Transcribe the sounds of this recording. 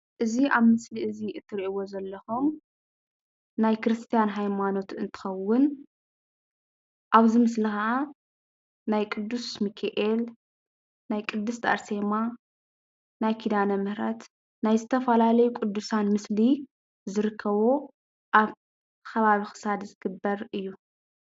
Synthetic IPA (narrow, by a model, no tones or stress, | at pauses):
ʔɨziʔaβmɨsliʔɨziʔɨt̪ʰːɨɾiʔiwo̞zɐlːɐxom | najkɾɨst̪ʰijanɦajmano̞t̪ɨnt̪ʰɨ̥xɐwːʊn | ʔaβzɨmɨslixɐʔa | najkʼɨd̪ːusmikʰeʔel | najkʼɨd̪ːɨst̪ʰa̰ɾsema | najkʰid̪anɐmɨhɾɐt̪ | najzɨt̪ʰɐfɐlalɐjukʼud̪ːusanmɨsli | zɨɾɨkʰːɐβo̞ | ʔaβ | kʰɐβaβixɨ̥sad̪zɨɡɨbːɐɾɨjːu